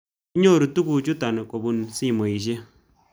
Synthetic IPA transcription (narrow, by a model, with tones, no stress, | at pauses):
i˦ɲo˦˨ɾu˨tu˦ku˨t͡ʃu˦ta˨ne˨ko˨bu˦˨nsi˦˨mo˨i˨ʃ̬e˦